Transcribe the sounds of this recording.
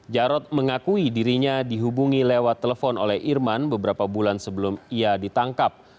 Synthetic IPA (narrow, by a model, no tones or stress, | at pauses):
d͡ʒaɾɔt̪̚məŋakuidiɾiɲadiɦubuŋilewat̪ːeləfɔno̰lɛhʔirmanbəbəɾapabulansəbəlʊmiadit̪aŋkap̚